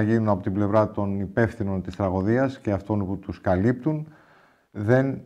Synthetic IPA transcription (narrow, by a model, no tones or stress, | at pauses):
ɐʝinunɐpo̞t̪imble̞vɾɐt̪o̞nipe̞fθino̞nt̪ist̪ɾɐɣoðiɐsce̞ɐft̪o̞nput̪uskɐlip̚t̪un | ðe̞n